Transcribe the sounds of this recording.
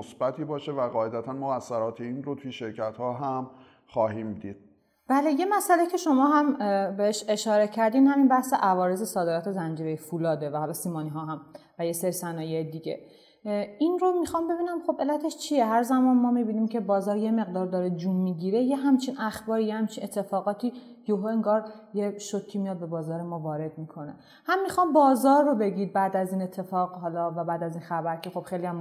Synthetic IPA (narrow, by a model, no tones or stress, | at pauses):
osb̥æt̪ʰiːbɒːʃevæɣɒːʔed̪æt̪ʰænmoɣæsːæɾɒːt̪ʰeiːnɾot̪ʰujeʃe̞ɾcʰæt̪hɒːɦæm | xɒːɦiːmd̪iːd̪̥̚ | b̥æːle̞je̞mæsʔælecʰe̞ʃo̞mɒːɦæmbe̞heʃe̞ʃɒːɾe̞cʰæɾd̪iːnhæminbæhse̞ʔævɒːɾe̞ze̞sɒːd̪e̞ɾɒːt̪ʰe̞zænd͡ʒiːɾejefulɒːd̪evæhɒlɒsiːmɒːniɦɒːɦæmvæje̞seɾisænɒːjejed̪iɟe̞̰ | inromixɒmbe̞biːnæmχo̞bʔe̞lːæt̪ʰe̞ʃt͡ʃʰijeɦæɾzæmɒːnmɒːmibiːniːmcʰebɒːzɒːɾje̞me̞ɣd̪ɒːɾd̪ɒːɾed͡ʒumːiːɟiːɾe̞jeɦæmt͡ʃʰinæxbɒːɾijehæmt͡ʃʰinʔe̞t̪ʰːe̞fɒːɣɒːt̪ʰiː | joɦoe̞ŋɡɒːɾjeʃot̪cʰːimijɒd̪̚be̞bɒːzɒːɾe̞mɒːvɒːɾe̞d̪̚mikʰo̞ne̞̰ | hæmːixɒːmbɒːzɒːɾːobe̞ɟiːd̪̚bæːd̪æziːne̞t̪ʰːe̞fɒːɣɦɒːlɒvæbæːd̪æzinxæbæɾcʰe̞xo̞b̥xejlijæm